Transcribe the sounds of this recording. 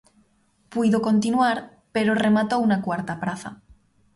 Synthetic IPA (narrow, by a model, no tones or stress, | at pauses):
piðoko̞nt̪̬inwaɾ | peɾore̞mat̪ounakwaɾt̪apɾaθa̰